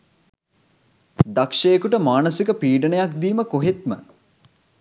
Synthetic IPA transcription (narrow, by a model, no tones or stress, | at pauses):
d̪akʂejekuʈəmaːnəsikəpiːɖənəjak̚d̪iːməkoɦet̪mə